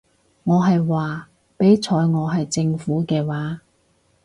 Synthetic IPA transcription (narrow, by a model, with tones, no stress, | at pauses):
ŋɔː˨˧ɦɐ˨jwaː˨ | pe˨˥jt͡sʰɔː˨˧jŋɔː˨˧ɦɐ˨jt͡sɪ˧ŋfuː˨˥kɛː˧waː˨˥